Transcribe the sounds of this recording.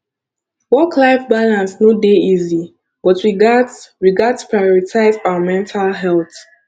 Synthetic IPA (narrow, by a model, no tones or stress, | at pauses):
wɔkʰlaɪfbalãnsnodeizi | b̥ɔtɹiɡadɹiɡadspʰɹajɔɹitʰaɪzaəmɛ̃ntʰalɦɛlθ